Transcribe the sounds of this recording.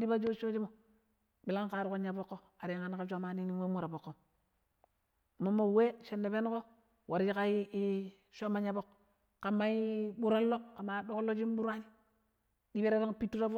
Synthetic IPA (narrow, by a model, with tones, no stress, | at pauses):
di˦ba˦d͡ʒo˦t͡ʃo˦d͡ʒi˦mo˨ | bi˨la˦ŋka˨ɾu˦ko˦ɲa˨bo˦kːo˦ | a˨ɾi˨ŋa˨n˦ka˦ʃo˦ma˨ni˦ni˦we˦mu˦ɾa˨bo˨kːo˦˨ | mo˦mːo˦˨we˦ʃe˨nːe˨pe˦n˦ko˦ | wʔa˨ɾd͡ʒi˦ka˦i˦ | ʃo˦ma˦ɲa˦bo˦k | ka˨mːa˦i˦bu˦ɾa˦lːo˦ka˨ma˨do˦ko˦lo˦d͡ʒi˦mbu˦ɾa˦ni˦ | di˦be˦ɾe˦to˦ŋ˦pi˦tːu˦ta˦fo˦